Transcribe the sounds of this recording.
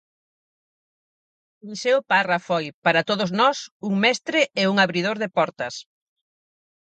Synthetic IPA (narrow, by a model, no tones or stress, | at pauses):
miseʊparɐfojpaɾɐt̪oðʊznɔsuŋmɛst̪ɾɪʔeuŋaβɾið̞oɾðɪpɔɾt̪ɐs